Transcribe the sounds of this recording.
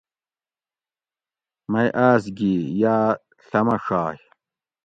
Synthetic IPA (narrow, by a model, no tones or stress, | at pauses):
mɐjʔaːsɡijaː | ɬɐmɐʂaːj